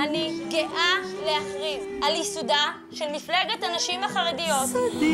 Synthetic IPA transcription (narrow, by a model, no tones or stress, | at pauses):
aniɡeʔaleaχʁivʔaljisuda | ʃelmifleɡetanaʃimaχaʁedijot